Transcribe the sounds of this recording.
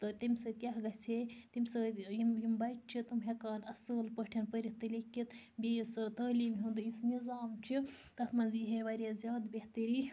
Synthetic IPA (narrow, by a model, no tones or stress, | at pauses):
t̪ɨt̪imʲsɨt̪ʲjaɦɡɐt͡sʰet̪imʲsɐjimjimbɐjt͡ʃt͡ʃʰit̪umɦʲekaːnɐsəːlpəʈʰinpəɾiht̪ɨlekːit̪ | bʲejisɨt̪ɐːliːmɦund̪ɨisnizaːmt͡ʃʰi | t̪ɐfmɐnziɦeʋɐɾʲazʲaːd̪beht̪əɾiː